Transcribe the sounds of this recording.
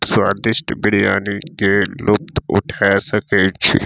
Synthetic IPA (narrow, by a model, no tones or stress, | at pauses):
saːɾd̪ɪʃʈbɪɽ̤ija̰ːnikelʊp̚t̪ʊ̰ʈʰaesɐket͡ʃʰḭ